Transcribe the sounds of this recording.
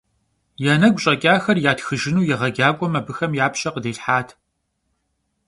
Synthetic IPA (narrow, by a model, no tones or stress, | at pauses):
jɛnɐɡʷɕʼɐkʲʼaːxɐrjaːtxɨʒɪnuːjɛʁɐɡʲaːkʷʼɔmɐbɨxɐmjaːpʰɕʼɐqədeːɬħaːtʰ